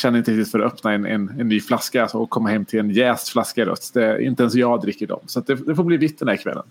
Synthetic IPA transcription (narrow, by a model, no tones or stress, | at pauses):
ɕɛnːɾɪnt̪əɾɪkt̪ɪt̪fœɾat̪œpnaɛnɛ̰nɛnːyːflaskaɔɔkʰɔmːahɛmːt̪ʰɪlɛnjɛːsflaskaɾœ̰t̪ːd̪ɛɪ̰nt̪əɛnsjɑːd̪ɾɪkːəɖɔ̰msat̪̚d̪ɛd̪ɛfoːbliːvɪt̪d̪ɛnd̪æɾkʰvɛ̰lːʔə̰n